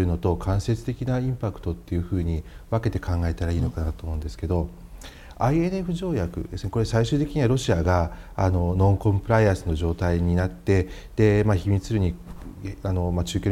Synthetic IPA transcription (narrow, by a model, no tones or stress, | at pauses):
ɯ̟no̞t̪o̞kʰãɰ̃se̞t͡sɨ̥t̪e̞kʲinaĩmpakɯ̟̥t̪o̞t̪ːe̞jɯ̟ɸɯ̟ːɲ̟iβake̞t̪e̞̥kãŋɡae̞t̪aɾaiːno̞kanat̪oːmo̞ɯ̟̃nd̪e̞sɨ̥ke̞d̪o̞ | aie̞ne̞ɸɯ̟ʑo̞ːjakɯ̟̰d̪e̞sɨneko̞ɾe̞saiɕɨːt̪ekʲiɲ̟iβaɾo̞ɕiaɡaano̞nõ̞ŋkõ̞mpɯ̟ɾaiãsɨno̞ʑo̞ːt̪aiɲ̟inat̪ːe̞ | d̪̥e̞maçimʲit͡sɨɾɯ̟ɲ̟i | ano̞mat͡ɕɨːkʲo